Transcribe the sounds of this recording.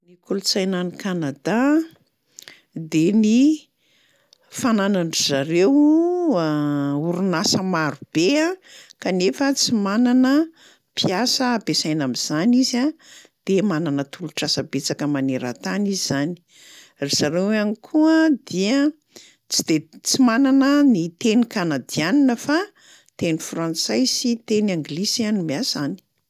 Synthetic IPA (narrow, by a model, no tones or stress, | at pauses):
nikulut͡sajnanikanad̪a | d̪eni | fananaɳizaɾew | uɾunasəmaɾub̥eakanefət͡simananə | pʰiasəːbesajnamiz̥aniza | d̪̥emananət̪ʰuluʈ͡ʂasəbet͡sakəmaneɾa̰t̪aniziz̥ani̥ | rez̥aɾeanikʰuəd̪̥iə | t͡sid̪̥et͡simananənit̪enikanad̪ianinəfa | t̪enifrãnt͡sajsit̪enaŋɡlisianimeazani̥